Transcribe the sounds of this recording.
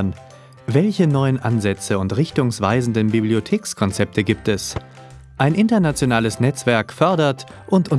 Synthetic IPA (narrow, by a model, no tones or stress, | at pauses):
n | vɛlçənɔʏənʔanzɛt͡səʊntʁɪçtʊŋsv̥aɪzn̩dənbibliotʰeːkskʰɔnt͡sɛp̚tʰəɡiːp̚tɛs | ʔaɪnʔɪntɐnat͡sjonaːləsnɛt͡sv̥ɛɐkfœɐdɐtʔʊntʔʊn